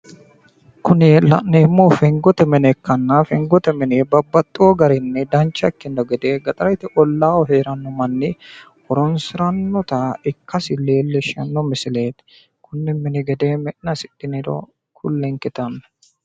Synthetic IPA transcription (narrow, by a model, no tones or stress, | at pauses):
kʊnɪlɐ̰ʔnɛːmːoːfɛŋɡɔt̪ɛmɪnɛkːɐnːafɛŋɡɔt̪ɛmɪnɛbɐbːɐt̪ʼːɪwoːɡɐɾɛnːɛd̪ɐnt͡ʃːɐkːɪndɔɡɛd̪eːɡɐt̪ʼɐɾɐt̪ɪʔɔlːaːwɔɦeːɾɐnːɔmɐnːɪ | hɔɾɔnsɪɾɐnːɔt̪aɪkːɐsɪleːlːɛʃɐnːɔmɪsɪleːt̪ɪ̥ | kʰʊnːɪmɪnɛɡɛd̪eːmɛʔnɐsɪᶑɪnɪɾɔ̰ | kʰʊlːɛŋkɪt̪ɐnːɐ